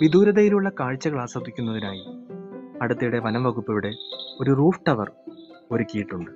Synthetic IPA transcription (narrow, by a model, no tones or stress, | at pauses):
ʋid̪uːɾɐðejiluɭːɐkaːɻt͡ɕːɐɣɐɭaːsɐd̪ːikʲːunːɐðinaːji | ɐɽɐt̪ːijuɽe̞ʋɐnɐmʋɐɣupːiʋiɽe̞o̞ɾuruːfʈɐʋɐro̞ɾukʲːijiʈːuɳɖɨ